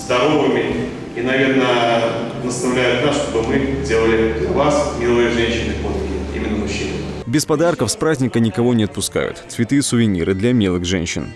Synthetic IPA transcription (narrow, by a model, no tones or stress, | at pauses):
zd̪ɐɾo̞vɨmʲɪ | inɐvʲe̞rnə | nəst̪ɐvlʲæjʊt̪nakʂt̪o̞bəmɨdʲe̞lˠəlʲɪd̪lʲɐvasmʲillˠəɨjəʐɛnʲɕɪnɨkot̪kʲɪḭmʲɪnːəmʊɕːinɨbʲɪspɐd̪arkəfspɾazʲnʲɪkənʲɪkɐvo̞nʲɪɐt̪̚pʊska̰jʊ̰t̪t̪svʲɪt̪ɨsʊvʲɪnʲḭɾɨd̪lʲamʲelˠɨxʐɛ̰nʲɕːɪ̰n